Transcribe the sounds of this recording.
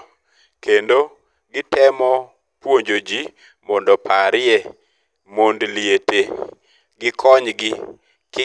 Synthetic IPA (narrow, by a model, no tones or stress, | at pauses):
kendo | ɡɪtɛmɔ | pwoɲd͡ʒod͡ʒi | mɔndɔpʰaɾɪe | mondliete | ɡɪkʰɔɲɡɪ | kɪ